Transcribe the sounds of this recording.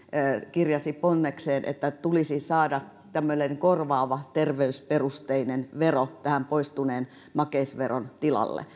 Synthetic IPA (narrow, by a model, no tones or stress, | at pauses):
kirjɑsiponːekseːnʔḛt̪ːæt̪ulisisɑːdɑ | t̪æmːøneŋkorʋɑːʋɑt̪erʋeysperust̪einenʋerot̪æhæmpoist̪uneːn | mɑkeisʋeront̪ilɑ̰lːḛ